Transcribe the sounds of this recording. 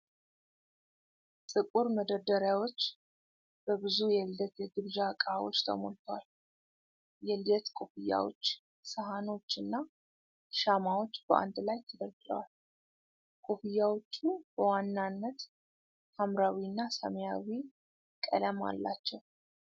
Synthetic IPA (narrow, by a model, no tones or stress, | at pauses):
sʼɨkʼuɾməd̪əd̪əɾjawo̞t͡ʃː | b̥əbɨzujɛld̪ət̪jɛɡɨβd͡ʒakʼawo̰t͡ʃːt̪ʰə̰mo̰lt̪ʰwal | jɛljɛt̪kʼofijːa̰wo̞̰t͡ʃː | səɦano̞t͡ʃːɨnːa | ʃamawo̞t͡ʃːb̥əʔa̰nd̪lajt̪ʰəd̪əɾɡlə̰wal | kʼofijːawo̞t͡ʃːub̥əwanːanːət̪ | hamɾawinːasə̰mjawi | kʼə̰ləma̰lːa̰t͡ʃːɛw